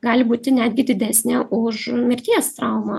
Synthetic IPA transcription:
ɡɑːlʲɪbuːt̪ʲɪnʲæːd̪ʲɡʲɪd̪ʲɪd̪ʲæːsʲnʲɛʔʊʃmʲɪɾʲt̪ʲiɛst̪ɾɑˑʊmɐ

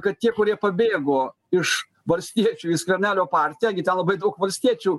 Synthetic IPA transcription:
kɐt̪t̪ʲiɛkʊɾʲiɛpɐbʲeːɡoː | ɪʃ | ʋɐlʲsʲt̪ʲiɛt͡ʃʲuːɪʃkʲɐɾʲnʲæːlʲoːpɑːɾʲt̪ʲɪjæɪɡʲɪt̪ʲɛnlˠɐbɐɪd̪ɐʊkʋɐlʲsʲt̪ʲiɛt͡ʃʲuː

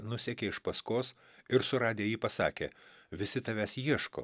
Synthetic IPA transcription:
nʊsʲɛkʲeːɪʃpɐskoːs | ɪɾsʊɾɑːd̪ʲeːjiːpɐsɑːkʲḛːʋʲɪsʲɪt̪ɐʋʲæːsjiɛʃko̰ː

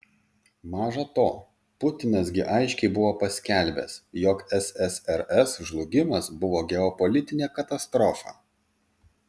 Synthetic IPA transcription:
mɑːʒɐt̪oː | pʊt̪ʲɪnɐsɡʲɪʔɐɪʃʲkʲɛɪbʊʋoːpɐsʲkʲæˑlʲbʲɛ̰sjɔkɛsɛsɛɾɛsʒlˠʊɡʲɪmɐsbʊʋoːɡʲɛɔpɔlʲɪt̪ʲɪnʲeːkɐt̪ɐst̪ɾɔfɑ̰ː

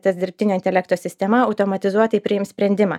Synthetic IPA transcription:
t̪ɐsʲd̪ʲɪɾʲpʲt̪ʲɪnʲoːɪnʲt̪ʲɛlʲɛkt̪oːsʲɪsʲt̪ʲɛmɐɐʊt̪oːmɐt̪ʲɪzuɔt̪ɐɪpʲɾʲɪɪmsʲpʲɾʲɛnʲd̪ʲɪmɑ̰ː

